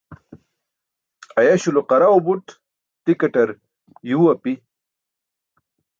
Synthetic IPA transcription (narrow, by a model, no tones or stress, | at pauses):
ɐjɐɕuloqɐɾaubuʈ | t̪ikɐʈɐɾ | juwɐpi